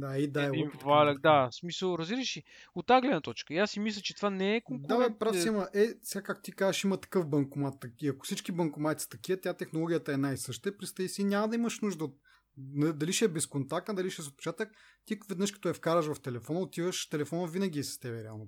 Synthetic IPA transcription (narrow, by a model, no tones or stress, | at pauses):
d̪aid̪aɛp̪valʲɐkd̪asmisəlˠɾɐzbiɾəʃiot̪ːaɡlɛd̪nət̪ɔt͡ʃkəiasːimislʲət͡ʃɛt̪ovanɛɛkoŋdd̪aɛpɾasimɐʔɛsɛɡakak̚t̪ʊ̥t̪ikazəʃimət̪ɐ̥kɤfbɐŋkomat̪ːɐiɐkʊ̥sit͡ʃkibɐŋkomat̪si̥t̪ɐkʲiət̪ʲat̪ɛxnolˠɔɡʲijət̪ɐɛnajsɤʃt̪əɛpɾist̪ɐisiːnʲamɐd̪ɐimɐʃnuʒd̪əot̪̚ | nɐd̪ɐliʃiɛbɛskont̪ak̚t̪ɐd̪ɐliʃiɛzot̚pɛ̥t͡ʃat̪əx | t̪ivɛd̪nɤʃkɐ̥t̪ɔɛfkaɾəʃvɐft̪ɛlɛfɔnəot̪ivəʃt̪ɛlɛfɔnəvinɐɡ̟ʲiɛsɐ̥st̪ɛbɛɾɛa̰lˠno